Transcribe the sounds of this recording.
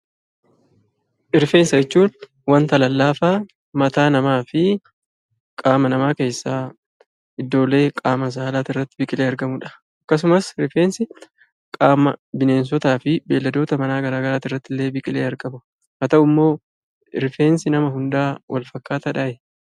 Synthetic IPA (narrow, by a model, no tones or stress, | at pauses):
ʔɪɾfe̞ːnsɐt͡ʃːuːn | wɐnt̪ɐlɐlːaːfaː | mɐt̪aːnɐmaːfɪ | kʼaːmɐnɐmaːke̞ːsːaː | ɪd̪ːo̞ːlːe̞ːkʼaːmɐs̬aːlaːt̪ɪrːɐt̪ːɪbɪkʼɪle̞ːɐɾɡɐmʊᶑɐ̥ | ɐkːɐs̬ʊmɐsɪɾfe̞ːnsɪ | kʼaːmɐbɪne̞ːns̬ɔt̪aːfɪbe̞ːlːɐd̪o̞ːt̪ɐmɐnaːɡɐɾaːɡɐɾaːt̪ɪrːɐt̪ːɪlːe̞ːbɪkʼɪle̞ːɐɾkɐbʊ | hɐt̪ɐʊmːo̞ː | ɪɾfe̞ːnsɪnɐmɐɦʊnd̪aːwʔɐ̰lfɐkːaːt̪ɐᶑaʔɛ